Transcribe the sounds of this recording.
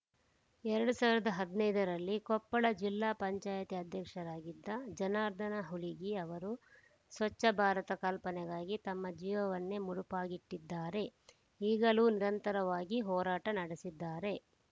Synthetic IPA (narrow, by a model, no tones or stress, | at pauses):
ɛɾɐɽusaːʋiɾɐd̪ɐɦɐd̪nɐjd̪ɐɾɐlːikɔpːɐɭɐd͡ʒilːaːpɐɲt͡ʃaːjɐt̪iɐd̪ʱjɐkʂɐɾaːɡid̪ːɐd͡ʒɐnaːɾd̪ʱɐnɐɦuliɡiɐʋɐɾu | sʋɐt͡ʃːɐbʱaːɾɐt̪ɐkɐlpɐnɛɡaːɡit̪ɐmːɐd͡ʒiːʋɐʋɐnːe̞muɽupaːɡiʈːid̪ːaːɾe̞ | iːɡɐluːniɾɐnt̪ɐɾɐʋaːɡiɦɔːɾaːʈɐnɐɽesid̪ːaːɾe̞